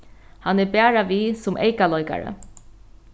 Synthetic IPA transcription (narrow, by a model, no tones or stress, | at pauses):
hanɛbɛːɹaʋisʊmʔḛjkalɔjka̰ɹə̰